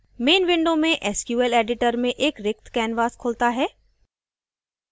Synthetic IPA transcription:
meːnʋɪ̃ɳɖõmẽʔɛːskjuːɛleːɖɪʈəɾmẽʔeːkɾɪk̚t̪ʰkɛːnʋaːskʰoːlt̪aɦɛː

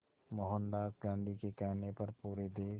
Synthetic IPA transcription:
mɔɦə̃nd̪aːkɡãːɳɖikekɛːnepɐɾpuːɾed̪eː

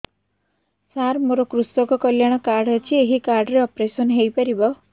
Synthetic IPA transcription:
saɾmoɾɔkɾusɔkɔkɔljaɽ̃ɔkaɾɖet͡ʃʰieɦikaɾɖɔɾeɔpɾesɔnɦejpaɾibɔ

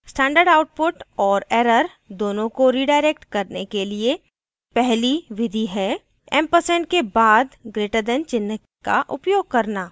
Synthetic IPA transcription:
sʈɛ̃ːɳɖəɾɖaːʊʈ̚pʊʈɔːɾɛːɾəɾ | d̪oːnõkoɾiːɖaːɪɾek̚ʈkɐɾnekelie | pɛɦliʋɪd̪ʱiɦɛ | ɛ̃mpəsɛ̃ɳʈ̚kebaːd̪ɡɾeːʈəd̪ɛ̃nt͡ʃɪnək | ka̰ʔʊpjoːɡ̚kɐɾnaː

